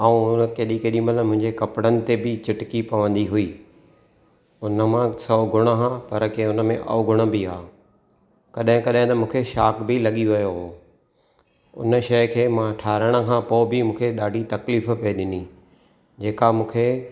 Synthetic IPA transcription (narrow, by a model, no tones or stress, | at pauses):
aːũʊnəkeːɗikeːɗimət̪lmʊ̃ɦɪ̃ɲd͡ʑekɐpɽənɪ̆t̪ebɪt͡ɕɪʈɪkipɐʋə̃nd̪iɦʊiː | ʊnə̆mãsɐɡʱʊɽ̃əɦãpɐɾkeʊnə̆mẽʔɐ̰ʊɡʱʊɽ̃ə̆biaː | kɐɗɦɪ̃kɐɗɦɪ̃t̪ɐmũːkʰeʃaːkbɪlɐɠiʋɐjoɦoː | ʊ̰nəʃɐjkʰeːmãʈʰaːɾəɽ̃ə̆kʰãːpoːbimũːkʰeɗaːɖʱit̪ɐkliːfpɐiɗɪni | d͡ʑeːkamũːkʰe